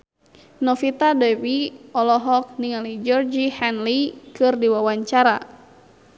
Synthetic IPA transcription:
nɔfit̪adɛwiɔlɔɦɔk̚niŋalid͡ʒɔrd͡ʒihɛnlikɨrdiwawaɲt͡ʃaɾa

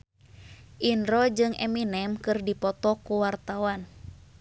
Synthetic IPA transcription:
ʔinɾɔd͡ʒɨŋʔɛ̰minɛmkɨrdipɔt̪ɔkuwart̪awan

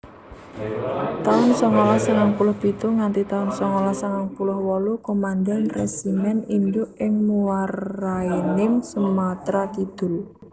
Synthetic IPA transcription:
t̪aʊnsɔŋolahsaŋaŋpulʊhb̥it̪uŋant̪it̪aʊnsɔŋolasaŋaŋpulʊhwɔlukomand̪ɛnresimɛnind͡ʒʊʔɪŋmuwarainɪmsəmat̪ɾakid̪̥ʊ̤l

